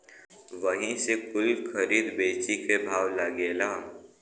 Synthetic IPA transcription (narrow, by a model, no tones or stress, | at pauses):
ʋəɦĩsekʊlkʰɐɾiːd̪beːt͡ʃikebʱaːʋlɐɡeːlaː